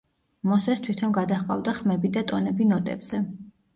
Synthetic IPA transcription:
mɔsɛst̪ʰwit̪ʰɔnɡad̪aχqʼa̰vd̪aχmɛbid̪at̪ʼɔnɛbinɔt̪ʼɛ̰bz̥ɛ

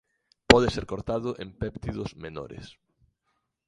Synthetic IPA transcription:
pɔðeseɾkoɾt̪aðʊʔempɛpt̪iðʊzmeno̰ɾɪ̰s

